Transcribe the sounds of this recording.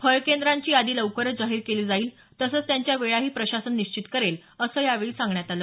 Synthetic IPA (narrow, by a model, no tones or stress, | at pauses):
fʰəɭkend̪ɾaɲt͡ɕiːad̪iːləʋkəɾəd͡zaɦiːɾkeliːd͡zaiːl | t̪əsəːt͡st̪jaɲt͡ɕjaʋeɭaɦiːpɾəɕasənːiɕt͡ɕit̪kəɾel | əsəːjaʋeɭiːsãŋɡɳjat̪aləː